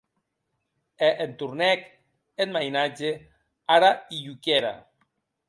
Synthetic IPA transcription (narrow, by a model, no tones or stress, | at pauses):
eʔent̪uɾnɛk | enmajnad͡ʒe | aɾaiʎukeɾa̰